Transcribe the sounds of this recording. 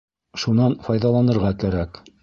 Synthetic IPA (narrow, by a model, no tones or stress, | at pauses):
ʃunɑnfɑjðɑlˠɑnɤ̆ɾʁɑkæɾæk